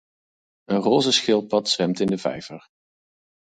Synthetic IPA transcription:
ənroːzəsχɪlˠpɑtsʋɛmtɪndəvɛ̰jvəɹ

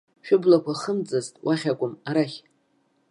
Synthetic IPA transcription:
ʃᶣʊblakʷʰaχəmd͡zʼɨztʼwʔaχʲakʷʼʊmaɾaχʲ

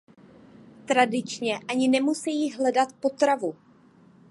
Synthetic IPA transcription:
t̪ɾadɪt͡ʃɲɛʔaɲɪnɛmusɛjiɦlɛdat̪po̞t̪ɾavu

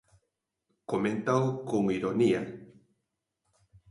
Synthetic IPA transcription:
koment̪awkoŋiɾonia

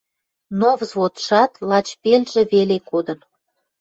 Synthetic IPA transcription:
novzβot̪ʃɑt̪lɑt͡ɕpelʲʒĕβelekod̪ə̆n

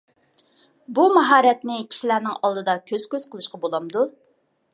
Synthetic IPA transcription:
bumɑɦɑːɾɛt̪nɪkʲʰi̥ʃilæɾnɪŋɑlˠd̪ɨd̪ɑkʲʰøz̥kʲøz̥qəlˠɨʃqɑbolˠɑmd̪u

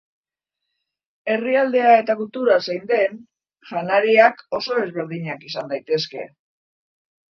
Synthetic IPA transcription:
e̞riald̪e̞ae̞t̪ak̬ult̪uɾasajnd̪e̞n | ʝanaɾiako̞so̞e̞zβe̞ɾð̞iɲakisand̪ajt̪e̞ske̞̰

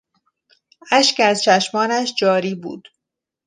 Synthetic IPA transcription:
æʃcæzt͡ʃʰæʃmɒːnæʃd͡ʒɒːɾiːbṵːd̪̥

